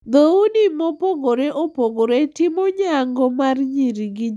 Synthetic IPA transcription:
d̪ounimɔpoɡoɾeʔopoɡoɾetɪmɔɲaŋɡɔmarɲiɾiɡɪ

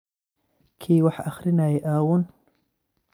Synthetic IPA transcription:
kʰeːwaħaxɾinaːjeʔaːwun

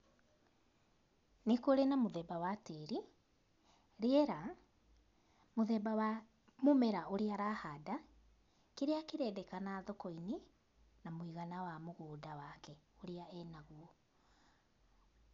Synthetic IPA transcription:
nekwoɾenamoðɛbawateɾi | ɾeɛɾa | moðɛbawa | momɛɾaoɾeaɾahada | keɾeakeɾɛdɛkanaðokɔine | namwiɣanawamoɣoːdawakɛoɾeaɛnaɣwɔ

